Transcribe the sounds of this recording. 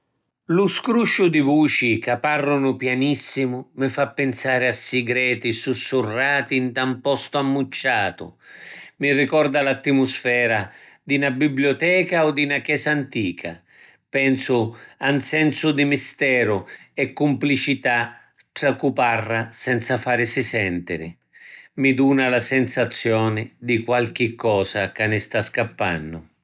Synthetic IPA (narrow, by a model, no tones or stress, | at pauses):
lʊskɾuʃːʊd̪ivuːt͡ʃikapːarːʊnʊpjanisːimʊmɪfapːɛnsaːɾɪasːɪɡɾɛːt̪isusːurːaːt̪int̪ampɔst̪ʊamːut͡ʃːaːt̪ʊ̰mirikɔrd̪alat̪ːimʊsfɛːɾa | d̪inabibljɔt̪ɛːkaɔd̪inakɛːsaːnt̪iːkʰa̰ | pɛnsʊansɛnsʊd̪imist̪ɛːɾʊɛkːumplit͡ʃit̪a | tɾakuparːasɛnt̪safaːɾɪsɪsɛnt̪ɪɾɪ̰ | mid̪uːnalasɛnsat̪sːjɔːnɪd̪ikwalk̟ɪkːɔːsakanːɪst̪askapːa̰nːʊ